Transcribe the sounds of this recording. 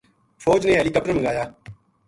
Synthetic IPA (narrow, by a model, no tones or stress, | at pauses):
foːd͡ʒneːɦɛːliːkəp̚əməŋɡaːjaː